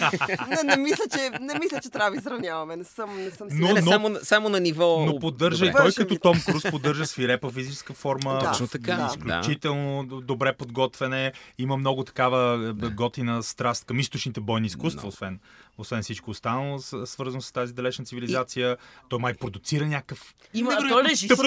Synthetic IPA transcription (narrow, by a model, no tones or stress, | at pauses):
nɛnɛmislʲət͡ʃɛnɛmislʲət͡ʃɛt̪ɾʲavəisɾɐvnʲjavɐmɛnɛsəmnɛsəmnonomosamonɐnivɔnopod̪ːɤɾʒəiɔjkət̪ɔt̪ɔmkɾuspod̪ːɤɾʒəsfiɾɛpəfizit͡ʃɛ̥skəfɔɾməʃt̪ɐkaisklʲṵt͡ʃit̪ɛlˠnod̪obɾɛpod̪ɡɔt̪vɛnɛiməmnɔɡʊt̪ɐ̥kavəɡɔt̪inəst̪ɾast̪̚kɐmist̪ot͡ʃnit̪ɛbɔjniːskust̪vɐosvɛnosvɛnfsit͡ʃkoːst̪anəlˠosvəɾzɐnʊsə̥st̪azid̪ɐlɛt͡ʃnət̪sivilizat̪sijət̪ɔjmajpɾod̪ʊt̪siɾənʲakəfiɛʒi